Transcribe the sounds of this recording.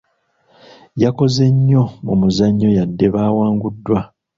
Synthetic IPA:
jako̞ze̞ɲːo̞mumuzaɲːo̞jadːe̞βaːwaːŋɡudːwa

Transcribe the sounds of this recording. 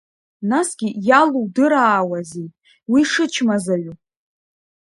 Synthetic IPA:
nasɡ̥ʲijaluwdɨɾaːwazijtʼ | wiʂɨt͡ʃʰmazaɥʷu

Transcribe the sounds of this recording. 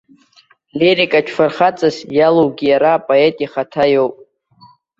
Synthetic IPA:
leɾikʼat͡ʃʰfarχat͡sʼazjalowɡʲijaɾaːpʼoetʼiχatʰajowpʼ

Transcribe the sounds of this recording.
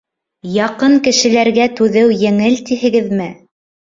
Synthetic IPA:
jɑqɤŋkɘ̆ʃɘ̆læɾɡæt̪ʉðɘwjɘ̆ŋɘlt̪iɦɘ̆ɡɘðmɘ

